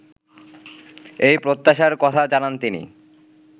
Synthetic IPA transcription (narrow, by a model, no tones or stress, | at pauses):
ejpɾot̪ːaʃaɾkɔt̪ʰad͡ʑanant̪inḭ